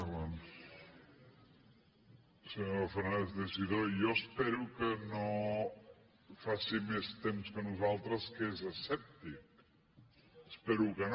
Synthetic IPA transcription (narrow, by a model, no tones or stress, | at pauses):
βans | səɲofənaezðesiðoijɔəspɛɾukəno | fasimest̪emskənuzalˠt̪ɾəskezəsɛp̚t̪ik̚ | əspɛɾukən